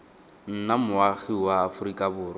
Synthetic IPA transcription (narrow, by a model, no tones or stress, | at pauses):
n̩namʊaɣiwaːfʊrikʼabʊːrɔ